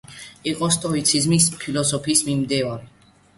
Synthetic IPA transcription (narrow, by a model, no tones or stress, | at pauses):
iqʼɔst̪ʼɔit̪sʰizmispʰilɔsɔpʰiːsmimd̪iɔɾi